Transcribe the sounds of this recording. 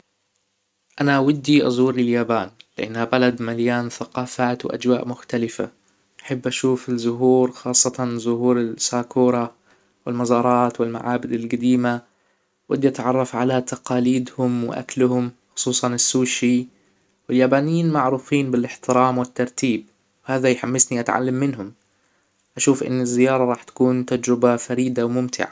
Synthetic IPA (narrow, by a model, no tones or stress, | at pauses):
ʔanaʔawad̪ːiʔɑ̰zˤuːɾlɪljaːbaːnlɪʔanːhabalad̪maljaːnθaqɑːfaːt̪wɪʔa̰d͡ʒwaːʔmʊxt̪alɪfa̰ | ʔaħabːʔaʃuːfɪzʊɦuːɾxɑːsˤːɑt̪ɑzʊhuːɾɪsaːkuːɾˤɑ | wɪlmɑzɑːɾˤɑːt̪wɪlma̰ʕaːbɪd̪ɪlɡad̪iːma | wɪd̪at̪ʕɑrˤːɑfʕalat̪ɑqɑːliːd̪hʊmwɪ̰ʔa̰klʊhʊmxʊ̥sˤuːsˤɑnɪsːuːʃi | wɪljaːbaːnɪjiːnmaʕɾuːfiːnbɪlɪħt̪ɪɾɑːmwɪt̪ːɑɾˤt̪iːb | whaːðajħamːɪsniʔat̪ʕa̰lːamːɪnɦʊm | ʔaʃuːfʔɪ̰nːɪzːɪjɑːɾˤɑɾˤɑːħt̪ḁkuːnt̪ad͡ʒɾɪbafaɾiːd̪awmʊmt̪ʰɪ̰ʕa̰